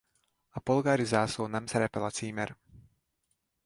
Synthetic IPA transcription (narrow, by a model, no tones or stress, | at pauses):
apɔlˠɡaːɾizaːsunamsaɾɛpɛlat͡siːmɛɾ